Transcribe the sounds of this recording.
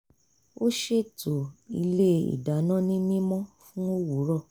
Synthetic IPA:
o˦ʃe˦˨to˨i˧le˦ḭ˨da˨˦nã˦nĩ˦nĩ˦mɔ̃˦fũ˦o˦wu˨˦ɾɔ˦˨

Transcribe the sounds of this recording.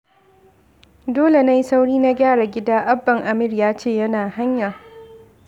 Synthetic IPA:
doː˦le˨na˦ji˦sa˦wɽiː˦na˦ɡʲaː˦˨ɽa˨ɡʲɪ˦daː˦ʔa˦bːɐ˨ŋʔa˨mɪ˦rjaː˦t͡ʃeː˦˨jɐ˦naː˨ha˦ɲja˨

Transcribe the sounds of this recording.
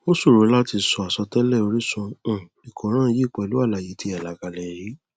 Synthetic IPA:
o˦su˦˨ɾõ˨˦la˦ti˧sɔ˧a˨sɔ˧tɛ˦lɛ˦˨o˧ɾi˦sũ˧˨ | i˨kʰɔ̃˨˦ɾ̃ãː˦˨˧ji˦˨k͡pɛ˨lu˨˦a˦˨la˨ji˨˦ti˧˦a˨la˨˦ɡa˧lɛ˨ɾi˦

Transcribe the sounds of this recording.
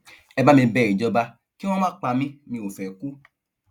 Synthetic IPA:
ɛ˧ba˦mĩ˧bɛ˦˨ɾĩ˨d͡ʒɔ˧ba˧ | ki˦w̃ɔ̃˦mãː˦k͡pa˧mĩ˦mĩ˧o˨fɛ˨ku˦

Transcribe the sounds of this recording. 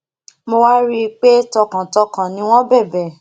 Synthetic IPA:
mo˧wa˦ɾi˦˧k͡pe˦tɔ˧kã˨tɔ˧kã˨nĩ˦w̃ɔ̃˦bɛ˦˨bɛ˨

